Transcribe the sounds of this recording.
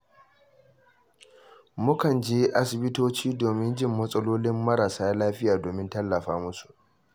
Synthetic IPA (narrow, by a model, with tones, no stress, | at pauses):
mʊ˦kɐ˨nd͡ʒeː˦ʔa˦sɪ˨bɪ˦toː˦t͡ʃiː˦doː˨mɪ˦nd͡ʒɪ˦˨mːɐ˦sʼɐ˦loː˦lɪ˦mːɐ˦ɾaː˨saː˦laː˦ɸɪ˦jaː˨doː˨mɪ˦ntɐ˦lːɐ˨ɸaː˦mʊ˦su̥˨ʔ